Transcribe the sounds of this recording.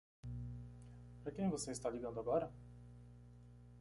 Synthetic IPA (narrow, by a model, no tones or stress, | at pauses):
pɾɐkẽj̃voseist̪aliɡɐ̃nd̪ʊaɡɔɾɐ